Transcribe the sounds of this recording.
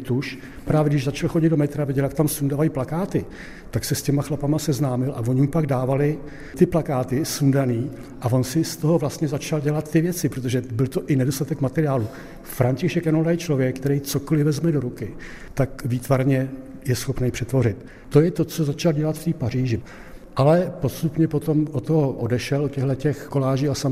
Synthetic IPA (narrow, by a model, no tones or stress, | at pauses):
t̪uʃ | pɾaːvjɛɡdɪʒzat͡ʃalxo̞ɟɪd̪domɛt̪ɾavɪɟɛljakt̪amsundavajiplakaːt̪ɪ | t̪aksɛscɛmaxlapamasɛznaːmɪlʔa̰vo̞ɲɪmupaɡdaːvalɪ | t̪ɪplakaːt̪ɪsundaniː | ʔavo̞nsɪst̪o̞ɦo̞vlast̪ɲɛzat͡ʃalɟɛlat̪ːɪvjɛt͡sɪpɾot̪o̞ʒɛbɪlt̪o̞ʔɪnɛdo̞st̪at̪ɛkmat̪ɛɾɪjaːlu | fɾaɲcɪʃɛkjanolajt͡ʃlo̞vjɛk̚ːt̪ɛɾejt͡so̞ko̞lɪvɛzmɛdo̞ɾukɪ | t̪akviːt̪vaɾɲɛ | jɛsxo̞pnɛjpr̥ɛt̪vo̞rɪt̪ː | o̞jɛt̪o̞t͡sozat͡ʃalɟɛlat̪ft̪iːpar̝iːʒɪ | ʔalɛpo̞st̪upɲɛpo̞t̪o̞mot̪oɦoʔodɛʃɛlocɛɦlɛcɛxko̞laːʒiːasam